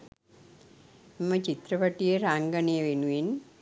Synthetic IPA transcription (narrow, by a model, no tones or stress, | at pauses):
mət͡ɕit̪ɾəʋaʈijeɾaŋɡəneʋenuʋin